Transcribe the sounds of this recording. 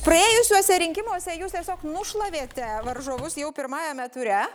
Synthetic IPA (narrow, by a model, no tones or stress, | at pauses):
pɾɐeːjʊsʲuɔsʲɛɾʲɪŋʲkʲɪmuɔsʲɛjuːst̪ʲiɛsʲoːknʊʃlˠɐʋʲeːt̪ʲɛʋɐɾʒoːʋʊsjɛʊpʲɪɾmɑːjɛmʲɛt̪ʊɾʲɛ